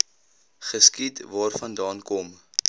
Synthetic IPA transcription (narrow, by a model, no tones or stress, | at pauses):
χəskitvɑːrfɐndɑːnkɔm